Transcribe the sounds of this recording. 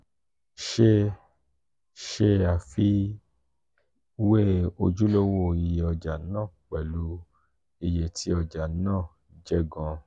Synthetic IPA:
ʃe˦˧˦ | ʃe˧a˨fi˧˦ | we˦o˧d͡ʒu˦lo˦wo˦˨i˨˧je˧ɔ˧d͡ʒa˨˦nãː˦˨k͡pɛ˨lu˨˦ | i˧je˧˨ti˦ɔ˧d͡ʒa˨˦nãː˦˨ | d͡ʒɛ˦ɡɔ̃˧

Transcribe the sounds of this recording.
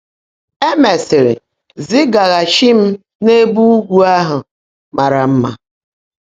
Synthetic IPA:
e˦me˨sɪ˨ɾɪ̰˨ | zi˦ɡa˨ɣa˨ʃi˦m̩˦ | ne˦bu˦u˦ɡʷu˦a˦ɦʊ˨ | ma˨ɾa˨m̩˦ma̰˦

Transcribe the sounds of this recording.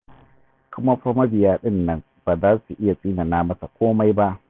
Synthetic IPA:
kʷʊ˦ma˦ɸa˦mɐ˦bɪ˨jaː˦ɗɪ˦nːɐ˦n | b̥aː˨zaː˦su˨ʔɪ˦ja˨sʼiː˦na˨naː˦mɐ˦sa˨kʷoː˦ma˦jba˦ʔ

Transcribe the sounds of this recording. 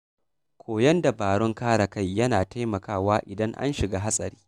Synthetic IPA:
kʷʰoː˨jɐ˦nda˨baː˨ɽɔ˦ŋkaː˦ɽa˨ka˦˨jːɐ˦naː˨ta˦jmɐ˨kaː˦˨waː˦ʔɪ˨dɐ˦ŋʔa̰˦nʃɪ˨ɡaː˦ɦa˦sʼɐ˨ɾiː˦

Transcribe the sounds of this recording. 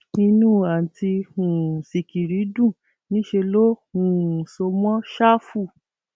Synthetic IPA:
nĩ˧nũː˦˨a˨n̩˨ti˧ũ˨si˨ki˨ɾi˨˦dũ˦˨ | nĩ˨˦ʃe˧lo˦ũ˨so˧mɔ̃˦ʃa˦fu˦˨

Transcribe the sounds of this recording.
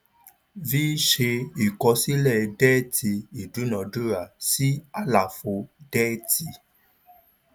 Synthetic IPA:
viː˦ʃe˧i˨kɔ˧si˦lɛ˦˨dɛ˦ti˧i˨du˨˦nɔ̃˨˧du˦ɾa˨si˦a˦la˨fo˧dɛ˦ti˧

